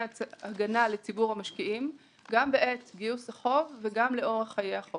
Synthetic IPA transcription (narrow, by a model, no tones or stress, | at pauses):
aɡanale̞t͡sibuʁhamaʃkiʔim | ɡambe̞ʔet͡sɡiusaχo̞vːe̞ɡamle̞o̞ʁaχːajeaχo